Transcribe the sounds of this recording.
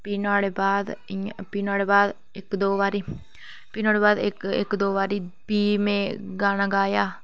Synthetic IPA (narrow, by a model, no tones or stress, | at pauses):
piːnaːɽeːbaːd̪piːnaːɽeːbaːd̪ | ɪkd̪oːʋaːɾiː | piːnaːɽeːbaːd̪ɪkɪ̰kd̪oːʋaːɾiːbiːmẽːɡaːnãːɡaːjaː